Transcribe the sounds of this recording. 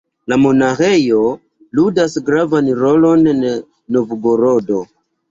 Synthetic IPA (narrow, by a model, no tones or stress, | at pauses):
lamo̞naxe̞jo̞ | ludasɡɾavanɾolo̞nn | no̞vuɡoɾodo̞